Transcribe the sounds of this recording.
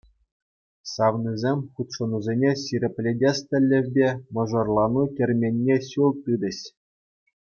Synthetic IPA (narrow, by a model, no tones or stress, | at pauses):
sɑʋnizʲemʲχut̪ʂɤ̆nuzʲenʲeɕiɾʲĕpʲlʲedʲest̪ʲɘ̆lʲːɘ̆ʋʲbʲemɤ̆ʐɤ̆rlˠɑnukʲĕrʲmʲenʲːeɕulˠt̪ɯd̪ɘ̆ɕ